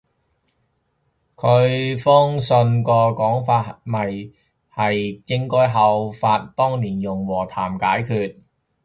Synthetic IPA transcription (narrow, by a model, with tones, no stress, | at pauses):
kʰɵ˨˧ɥfʊ˥ŋsɵ˧nkɔː˧kɔː˨˥ŋfaː˧t̚mɐ˨j | hɐ˨jkɪ˥ŋkɔː˥jɦɐ˨˧wfaː˧t̚t̪ɔː˥ŋliː˨˩njʊ˨˩ŋwɔː˨˩t̪ʰaː˨˩mkaː˨˥jkʰyː˧t̚